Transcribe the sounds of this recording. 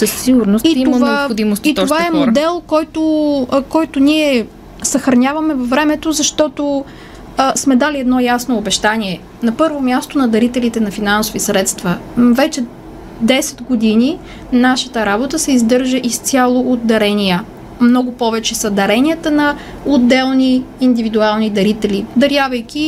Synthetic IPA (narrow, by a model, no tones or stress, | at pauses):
səsːiɡʊɾnostiionvaoxod̪imost̪it̪ovaɛmmod̪ɛlˠkɔjt̪okɔjt̪oniɛ | sɐxɾɐnʲjavɐmɛvɐvɾɛmɛt̪ozɐʃt̪ɔt̪o | smɛd̪aliɛd̪nɔjasnoːbɛʃt̪anʲiɛ | nɐpɤɾvomʲjast̪onɐd̪ɐɾit̪ɛlit̪ɛnɐfinansovisɾɛt̪st̪vəvɛt͡ʃɛ | d̪ɛsɛ̥d̪ɡod̪ini | naʃə̥t̪əɾabot̪əsɛizd̪ɤɾʒəʔist̪sʲjalˠood̪̚d̪ɐɾɛniə | mnɔɡʊpɔvɛt͡ʃɛsɐd̪ɐɾɛnʲiət̪ənɐ | od̪ːɛlˠniːnd̪ivid̪ualˠnid̪ɐɾit̪ɛlid̪ɐɾjavɐjkʲi